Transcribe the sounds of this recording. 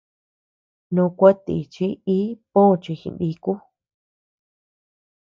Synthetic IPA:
nũ˧kʷa˦t̪ḭ˨t͡ʃi˦i˦põ˦˧t͡ʃi˧xḭ̃˧˨nbi˧ku˦

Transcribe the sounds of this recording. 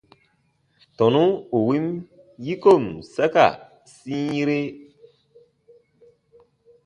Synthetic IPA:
tɔ˨nu˦u˨wi˦m | ji˦ko˦˨msa˦ka̰˨ | sĩ˦i˦ɾe˦

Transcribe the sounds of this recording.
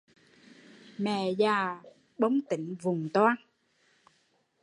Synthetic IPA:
mɛ̰˧˨zaː˨˩ | ɓə˨˦wŋ͡mt̪ï˧˦ŋ̟vʊ˨˩ŋ͡mt̪waː˧n

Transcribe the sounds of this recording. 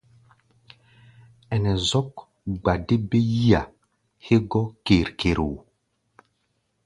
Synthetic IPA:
ɛ˨nɛ˨zɔ˦k | ɡ͡ba˨de˦be˦ji˦a˨ | he˦ɡɔ˦ke˨ɾke˨ɾo˨

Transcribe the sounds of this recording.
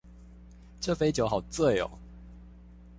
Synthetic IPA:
ʈ͡ʂɤ˥˨fe˧˥ɪt͡ɕjo˨˧˦xɑ˨˩ʊt͡sə˥˩jo̰˨˩ʊ

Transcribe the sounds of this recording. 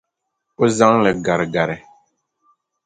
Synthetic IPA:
ʊ˦za˦ŋlɛ˨ɡa˨ɾɡa˨ɾɪ˨

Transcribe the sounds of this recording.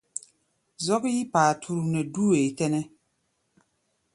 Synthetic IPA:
zɔ˦kji˦paː˨tʰu˦ɾu˨nɛ˨du˦e˨tɛ˦nɛ˦

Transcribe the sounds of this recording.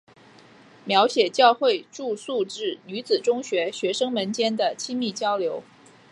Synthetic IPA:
mjɑ˧˥ʊɕjɛ˨˩t͡ɕjɑ˥˧ʊxwe˥˧ɪʈ͡ʂu˥˧su˥˧ʈ͡ʂɻ̩˥˩ny˧˥t͡sɹ̩˨˩ʈ͡ʂʊ˥ŋɕɥɛ˧˥ɕɥɛ˧˥ʂɤ˥ŋmə˧˥nt͡ɕjɛ˥nd̪ə˨t͡ɕʰi˥mi˥˩t͡ɕjɑ˥ʊljo˧˥ʊ

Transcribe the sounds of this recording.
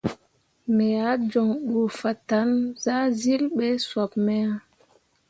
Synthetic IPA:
mɛ˨ja˨˦d͡ʒɔ˨ŋɗu˨fa˨ta˨˦nza˦zi˦lɓe˦swa˨p̚mɛ˦a˦

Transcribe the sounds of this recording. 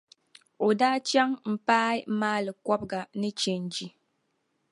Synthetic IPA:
o˨daː˦t͡ʃɛ˦ŋm̩˨paː˦i˦maː˦lɨ˨kɔ˦b̚ɡa˨nɨ˦t͡ʃɛ˨n˨d͡ʒi˦

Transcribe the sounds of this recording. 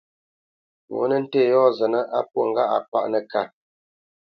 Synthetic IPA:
wo̰˨˦nə˦n̩˦teː˦˨jɔ˦˨zə˨nə˦ʔa˦p̚wo˦˨ŋ̩˦ɡa̰˦˨ʔa̰˨pa̰˦ʔnə˨ka˨

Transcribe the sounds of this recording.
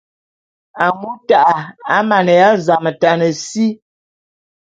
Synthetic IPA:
a˨ŋu˦ta˦˨ʔa˨a˦ma˨nɛ˨ja˦za˨mə˨ta˨nə˨si˦

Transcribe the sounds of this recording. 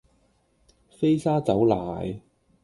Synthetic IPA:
fe˥jsaː˥t͡sɐ˨˥wlaː˨˩j

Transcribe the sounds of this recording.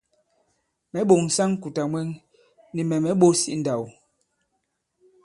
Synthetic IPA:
mɛ˨˦ɓo˨ŋ̩˨sa˦ŋ˦ku˨ta˨mwɛ˦ŋ | ni˨mɛ˨mɛ˨˦ɓo˦si˦n̩˦da˨w

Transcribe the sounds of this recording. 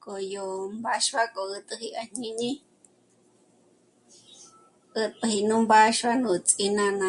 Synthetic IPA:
kʼo˨jo˨mba˦ʃβa˦kʼo˨ɨ˧t̪ʼɨ˧hi˧a˧ɲ̥ĩ˧ɲĩ˦ | ɨ˧t̪ʼɨ˧hi˧nũ˦mba˦ʃβa˦nũ˨t͡sʼi˧nã˧nã˧

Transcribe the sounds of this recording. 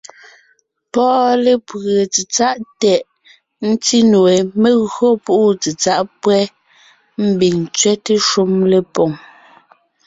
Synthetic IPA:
pɔː˦le˨pɣe˨t͡si˨t͡sa˦ʔtɛ˨ʔ | n̩˦ti˦nu˨e˨me˦ɣɰo˦pu˦ʔu˦t͡si˨t͡sa˦ʔpwɛ˦ | m̩˦bi˨ŋt͡sɥɛ˦te˦ʃu˦mle˨pɔ˨ŋ

